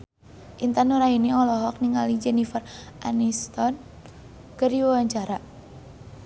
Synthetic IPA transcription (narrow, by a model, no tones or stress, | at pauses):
ʔint̪anuɾainiɔlɔɦɔk̚niŋalid͡ʒɛnifərʔanist̪ɔn | kəriwawaɲt͡ʃaɾa